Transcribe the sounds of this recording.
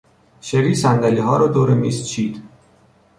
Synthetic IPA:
ʃeɾiːsænd̪æliːɦɒːɾɒːd̪oːɾemḭːst͡ʃʰiːd̪̥

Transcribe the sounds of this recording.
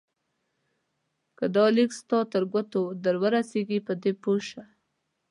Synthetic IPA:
kad̪ɑlikst̪ɑt̪əɾɡʷat̪od̪əɾwaɾaseɡipəd̪epoʃa

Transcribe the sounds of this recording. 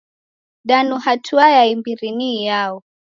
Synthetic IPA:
danuhatʰuajaimbiɾinijaɔ

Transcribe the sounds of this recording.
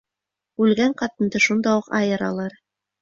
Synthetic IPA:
ʉlɡæɴqɑt̪ɤ̆nd̪ɤʃund̪ɑwuqɑ̰jɤ̆ɾɑ̰lˠɑɾ

